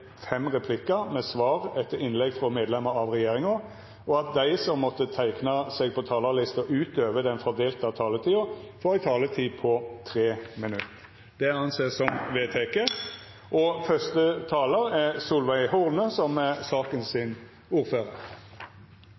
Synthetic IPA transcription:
fɛmʁɛpʰlɪkːəmɛsʋɑːʁɛt̪ːəɾɪnlɛɡfɾɔmeːd̪lɛməɾɑʋʁɛjeːʁɪŋʊ | ʔɔɑt̪̚d̪æɪsɔmːɔt̪ːət̪ʰæɪknɑsɛɡ̚pʰɔt̪ʰɑːləlɪst̪ɔʔʉːt̪øːʋəd̪ɛnfɔʁd̪eːlt̪ɑt̪ʰɑːlət̪ʰiːʊfɔɾɪt̪ʰɑːlət̪ʰiːpʰɔt̪ʰɾeːmɪnʉt̪ | d̪̥ɛɑnseːsɔmʋeːt̪ʰekə | ʔɔfœst̪ət̪ʰɑːləɾæʁsuːlʋæɪhʊʁnəsɔmsɑːkənsɪn | uːɾføːʁəʁ

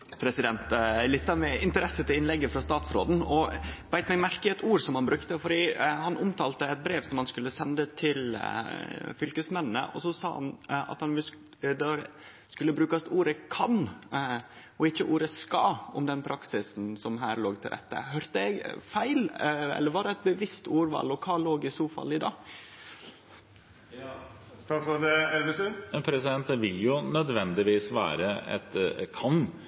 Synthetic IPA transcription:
pʰɾɛsɪd̪ɛnt̪lɪt̪ːɑmɛʔɪnt̪əɾɛsət̪ʰɪlɪnlɛɡːəfɾɑst̪ɑːt̪sɾo̰ːd̪n̩ɔʋæɪt̪mɛɡmæɾkəɛt̪ʰuːɾsɔmhɑnbɾʉkt̪əfɔɾiːhɑnʔʊmt̪ʰɑːlt̪əɛɪt̪̚bɾeːʋsɔmhɑnskʉlːəsɛnd̪ət̪ʰɪl | fʏlkəsmɛnnːə̰ʔɔsɔsɑ̰ːhɑ̰nɑ̰t̪hɑnʋɪl | d̪ɛɾ | skʉlːəbɾʉːkɑst̪uːɾəkʰɑn | ʔɔɪçːəʔuːɾəskɑɔmd̪ɛnpʰɾʔɑksɪsn̩sɔmɦæ̰ːɾloːɡt̪ʰɪlɾɛ̰t̪ːə̰ɦœɾt̪əɛɡfæɪlɛ̰lːəɾʋɑɖɛɛt̪̚bəʋɪst̪ʰuːɾʋɑ̰lɔkʰɑːloːɡɪsuːfɑ̰lːɪd̪ɑ̰ː | t̪ɑɑd̪ɛɛlʋəsʉmɛnpʰɾɛsɪd̪ɛnt̪ʋɪljʊnœd̪ʋɛnd̪ɪʋiːsʋæ̰ːɾəɛ̰t̪kʰɑn

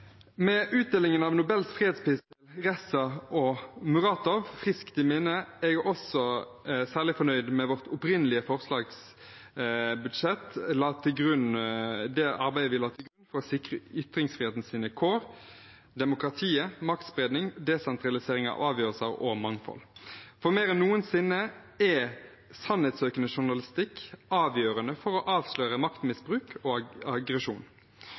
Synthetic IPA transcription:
mɛʔʉːt̪̚d̪eːlɪŋənɑʋnʊbɛlsfʁiːheːd̪spɪsəlʁɛsɑʔomʉʁɑːt̪ɔʋfʁɪskt̪ɪmɛnəɛjuʔɔsɔsæːʁlɪfɔnœʏd̪mɛʋɔʁt̪ʰʊpʁɪnəlɪəfɔʁslɑːɡs | bʉd̪ʂɛt̪lɑːt̪ʰɪlɡʁʉnd̪ɛʔɑʁbæɪəʋɪlɑːt̪ʰɪlɡɾʉnfɔʁɔsɪkʁəʏt̪ɾɪŋsfʁiheːt̪n̩siːnəkʰoːɾ | d̪ɛmʊkɾɑt̪ʰiːəmɑk̚t̪sbɾeːd̪nɪŋd̪ɛsɛnt̪ɾɑlɪseːɾɪŋɑ̰ʋʔɑːʋjøːʁəlsəɾɔ̰mɑŋfɔ̰lfɔmeːɾənnːuːənsɪnːə | ɛ | sɑnhɛt̪søːkənəʃʊʁnɑlɪst̪ɪkːɑːʋjøːɾənəfɔɾɔʔɑːʋsløːɾəmɑkt̪mɪsbʁʉːkʰɔɑɡɾəʂuːn

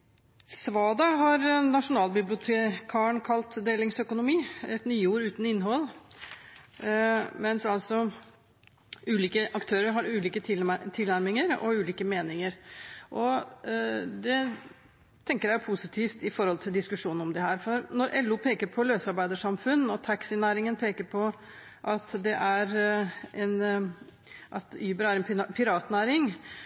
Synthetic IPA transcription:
sʋɑːd̪ɑɦɑɾnɑʂʊnɑːlbɪblɪʊt̪ʰekʰɑːəɳkʰɑlt̪d̪eːlɪŋsœkʊnʊmiːɛt̪nyːuːɾʉːt̪n̩ɪnːɦɔlː | mɛnsɑlsɔ | ʉːliːkəʔɑkt̪ʰøːɾəɾɦɑɾʉːliːkət̪ʰɪt̪ʰɪlnæɾmɪŋəɾɔ̰ʉːliːkəmeːnɪŋəɾʔɔ | d̪ɛ | t̪ʰɛŋkəɾjæjʊpʰusɪt̪ʰiːft̪ɪfɔɾhɔlt̪ʰɪld̪ɪskʉʂuːnɔmd̪ɛɦæːɾfɔɾnɔɾʔɛlːuːpʰeːkəɾpʰɔløːsɑɾbæɪd̪əʂɑmfʉnːɔt̪ʰɑksɪnæːɾɪŋənpʰeːkəɾpʰɔ | ʔɑt̪d̪ɛʔæɾɛn | ʔɑt̪yːbəɾæɾɛnpʰɪɾɑːt̪næːɾɪŋ

